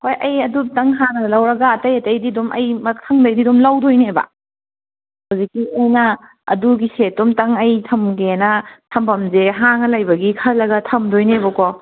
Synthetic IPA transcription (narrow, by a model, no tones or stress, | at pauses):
hojʔɐjɐdutɐŋɦanɐnɐlɐwɾɐɡɐːtɐjɐtɐjdidumʔɐ̰jmɐkʰɐŋdɐjdidumlɐwdojnebɐ̰ | hɐwzikːiɐjnɐ | ɐ̰duɡisetːumtɐŋɐjtʰɐmɡenɐtʰɐmbʰɐmzeɦaŋɐlajbɐɡikʰɐlɐɡɐtʰɐmdojnebɐkɔ